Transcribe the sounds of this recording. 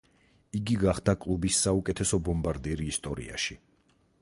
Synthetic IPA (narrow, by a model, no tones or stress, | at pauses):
iɡiɡaχd̪akʼlˠubisːaukʼɛt̪ʰɛsɔbɔmbaɾd̪iɾiːst̪ʼɔɾḭa̰ʃi